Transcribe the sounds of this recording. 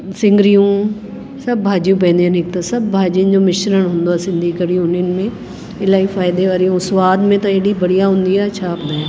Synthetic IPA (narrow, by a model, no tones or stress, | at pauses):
sɪ̃ŋɡɾijũː | sɐbːʱaːd͡ʒijũːp̬ɛ̃ːnd̪ijãnɪkt̪ãsɐbːʱaːd͡ʒiə̃nd͡ʑoːmɪʃɾəɽ̃ɦʊ̃ːnd̪oɛːsɪ̃nd̪ʱikəɽijuːninmẽ | ɪlaːifaːɪd̪eʋaːɾijũsʋaːd̪mẽt̪ɐ̃eːɽibɐɽijaɦʊ̃nd̪iɦɛɐːʃʰapnd̪aɦɛ